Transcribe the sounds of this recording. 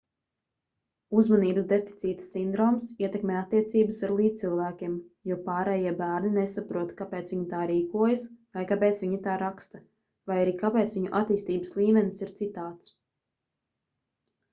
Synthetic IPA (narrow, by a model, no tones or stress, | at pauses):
uzmaniːbəsd̪e̞fi̥t̪siːt̪ə̥sind̪ɾɔːmsiɛt̪ɛkmʲeːat̪ːiɛt̪siːbəsaɾlˠiːt̪ilˠvæːkʲiɛmjuɔpaːɾɛːjiɛbæːɾninesapɾuɔt̪kapɛːt̪sviɲit̪aːɾiːkuɔjasvajkapɛːt̪sviɲit̪aːɾakst̪ɐ | vajaɾiːkapɛːt̪sviɲuʔat̪iːst̪iːbəslˠiːmɛnisiɾt̪sit̪aːt̪s